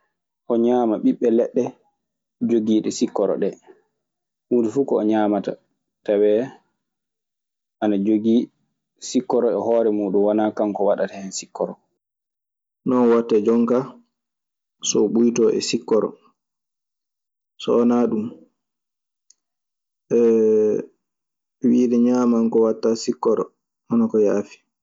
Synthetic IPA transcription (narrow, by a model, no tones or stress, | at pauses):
ʔɔɲaːmaɓiɓːɛlɛɗːɛ | d͡ʒoɡiːɗɛsikːɔɾɔ̰ɗɛ | mundifukɔːɲaːmata | tawɛ | ʔanad͡ʒoɡi | sikːɔɾɔɛhɔːɾɛmuːɗumwanakamkɔwaɗatahɛnsikːɔɾɔ | nɔnwatːɛd͡ʒɔŋka | sɔɓujtɔʔɛ̰sikːɔɾɔ̰ | sɔɔnaɗum | ʔɛ | wiːdɛɲaːmaŋkɔwatːasikːɔɾɔ̰ | ʔanakɔjaːfi̥